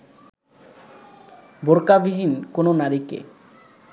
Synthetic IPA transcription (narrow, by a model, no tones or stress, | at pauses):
boɾkabiɦinkononaɾikḛ